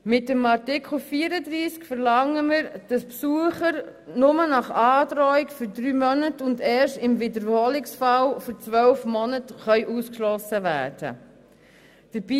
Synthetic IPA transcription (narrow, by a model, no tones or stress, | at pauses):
mɪtəmɑɾtɪkχl̩fiːɾədɾiːskfəɾlɑŋːəməɾd̥ɑspsuəχəɾnʊmənɑχɑːdɾɔɪkfyɾdɾyːmœnətʊndɛːɾʃtɪmvɪdəɾhoːlɪksfɑlfɔɾt͡sʋœlfmɔnətχœʏʔuːskʃlɔsəvæːɾd̥ə̰ | d̥əɾb̥i